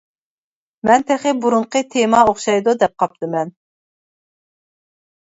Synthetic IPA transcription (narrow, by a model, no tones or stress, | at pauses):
mɛnt̪ʰɛχɪbuɾuɴqət̪ʰemɑoχʃɑjd̪ud̪ɛp̚qʰɑp̚t̪ɨmɛn